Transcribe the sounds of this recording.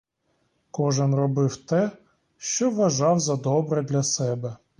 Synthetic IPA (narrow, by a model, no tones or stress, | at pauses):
kɔʒɪnrɔbɪwt̪ɛ | ʃt͡ʃɔʋːɐʒɑwzɐd̪ɔbɾɛd̪lʲɐsɛbɛ